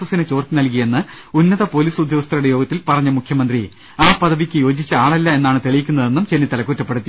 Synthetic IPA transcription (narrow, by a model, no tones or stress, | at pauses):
sɐsinɨt͡ɕo̞ːrt̪inɐlk̬ijɐe̞nːɨ | unːɐðɐpo̞ːliːsud̪ʱjoːɐst̪ːɐɾuɽejo̞ːɡɐt̪ːilpɐrɐɲːɐmukʰjɐmɐnd̪ri | aːpɐðʱɐʋikʲːɨjo̞ːd͡ʑit͡ɕːɐaːɭɐlːɐe̞nːaːɳɨt̪elɐjikʲːunːɐðe̞nːumt͡ɕenːit̪ɐlɐkːuːtːɐpːe̞ɽut̪ːi